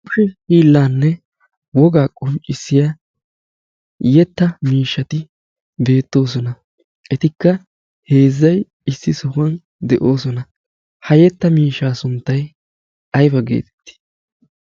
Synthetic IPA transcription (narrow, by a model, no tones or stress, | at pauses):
ʊʃɛhiːlːaːnːɛ | wɔɡaːkʼʊnt͡ʃʼːɪsːɪja | jɛt̪ːɐmiːʃːɐt̪ɪ | be̞ːt̪ːo̞ːs̬ɔnɐ | ʔɛt̪ɪkːɐ | he̞ːzːɐj | ɪsːɪsɔhʊɐn | d̪ɛʔo̞ːsɔnɐ | hɐjɛt̪ːɐmiːʃːaːsʊnt̪ːɐj | ɐjbɐɡḛːt̪ɛ̥t̪ːɪ̥